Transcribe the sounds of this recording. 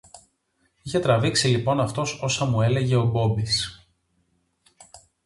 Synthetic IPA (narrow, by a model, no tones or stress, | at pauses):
içe̞t̪ɾɐviksilipo̞nɐft̪o̞so̞sɐmue̞leʝe̞o̞bo̞bis